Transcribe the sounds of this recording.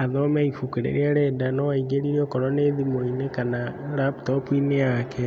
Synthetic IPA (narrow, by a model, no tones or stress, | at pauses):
aðɔmɛifukeɾḛɾeaɾɛdanɔwaiɡeɾiɾɔkɔɾɔneðimoinekanaɾaptɔpuinejakɛ